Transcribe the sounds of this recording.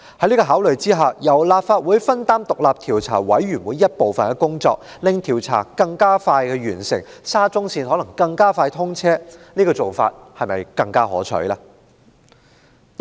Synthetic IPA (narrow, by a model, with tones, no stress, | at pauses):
hɐ˨˥jniː˥kɔː˧ɦaː˨˥wlɵ˨˩ɥt͡siː˥ɦaː˨jɐ˨˩wlaː˨˧p̚faː˧t̚wuː˨˧jfɐ˥nt̪aː˥mt̪ʊ˨k̚laː˨p̚t̪ʰiː˨˩wt͡sʰa̰ː˨˩wɐ̰˨˥jɥy˨˩nwuː˨˥jːɐ˥t̚po˨wfɐ˨nkɛ˧kʊ˥ŋt͡sɔ̰ː˧k̚lɪ˨˧ŋt̪ʰiː˨˩wt͡sʰa̰ː˨˩kɐ˧ŋkaː˥faː˧jkɛː˧ɥyː˨˩nsɪ̰˨˩ŋsaː˥t͡sʊ˥ŋsiː˧nhɔ˨˥lɐ˨˩ŋkɐ˧ŋkaː˥faː˧jt̪ʰʊ˥ŋt͡sʰɛː˥niː˥kɔː˧t͡so˨wfa̰ː˧t̚hɐ˨jmɐ̰˨jkɐ˧ŋkaː˥ɦɔ̰ː˨˥t͡sʰɵ̰˨˥laː˧